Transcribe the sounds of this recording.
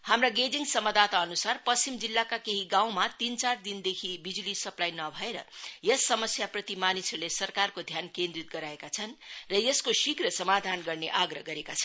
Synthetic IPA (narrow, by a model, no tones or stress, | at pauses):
hamraɡed͡ziŋsʌmʌd̪at̪aʌnusarpʌst͡simd͡zilːakakeɦiɡãw̃mat̪int͡sard̪ind̪ekʰibid͡zulisʌplajnʌbʱʌeɾʌ̰jʌsːʌmʌsjaprʌt̪imanislesʌrkarkod̪ʱjankẽnd̪rit̪̚ɡʌɾaekat͡sʰʌnrʌjʌskosikrʌsʌmad̪ʱanɡʌrneʔaɡrʌɦɡʌɾekat͡sʰʌn